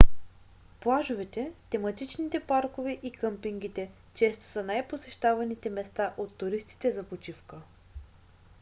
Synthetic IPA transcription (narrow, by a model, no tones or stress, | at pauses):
plˠaʒʊvɛt̪ɛt̪ɛmɐt̪it͡ʃnit̪ɛpaɾkovɛʔikɤmpiŋɡ̟it̪ɛ | t͡ʃɛst̪o̥sɐnajposɛʃt̪avɐnit̪ɛmɛst̪aʔot̪ːʊɾist̪i̥t̪ɛzɐpot͡ʃifkə